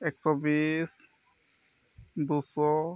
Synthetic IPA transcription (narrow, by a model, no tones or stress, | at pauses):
eksɔbis | d̪usɔ